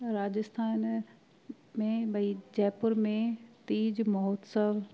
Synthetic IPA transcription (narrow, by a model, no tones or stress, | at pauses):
ɾaːd͡ʑɪst̪ʰaːn | mẽɓɐid͡ʑɛːpʊɾmẽt̪iːd͡ʑmɔoːt̪səʋ